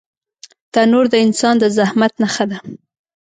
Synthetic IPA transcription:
d̪̥ɑnoɾd̪əɪnsɑnd̪əzahmat̪naxəd̪a

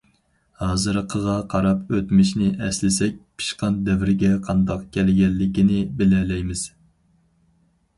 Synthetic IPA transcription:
hɑːzɨɾqʰəʁɑqʰɑɾɑpøt̪mɪʃnɪʔɛslɪsɛk̚ʲpʰi̥ʃqɑnd̪ɛvɪɾɪɡʲɛqʰɑnd̪ɑqkʲʰɛlɪɡʲɛlːɪkʲinɪbɪlɛlɛjmɪz̥

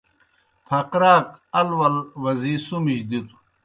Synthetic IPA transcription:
pʰɐqɾaːk̚ɐlwɐlwɐzisumiɕd̪it̪ʰu̥

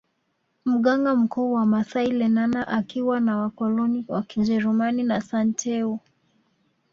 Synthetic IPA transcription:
m̩ɠaŋɡam̩kuːwamasailɛnanaʔakiwanawakɔlɔniwakid͡ʒɛɾumaninasantʰɛu

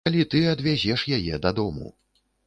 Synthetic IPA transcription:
alʲit̪ɨɐd̪vʲazʲɛʂjajɛd̪ɐd̪ɔmṵ

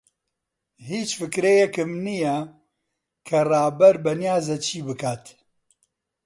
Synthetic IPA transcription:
hiːt͡ʃfɨkɾejɛkɨmnijɛ | kʰɐraːbɛɾbɛnjaːzɐt͡ʃʰiːbɨkʰaːt̪

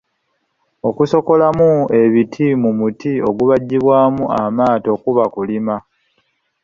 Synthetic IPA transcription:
o̞kuso̞ko̞lamue̞βitʰimumutio̞̰ɡuβaɟːiβwaːmuamaːto̞ːkuβakulima

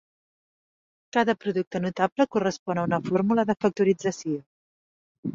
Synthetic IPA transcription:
kaðəpɾuðuk̚t̪ənut̪abləkurəspɔnəunəfɔɾmuləðəfək̚t̪uɾid͡zəsio

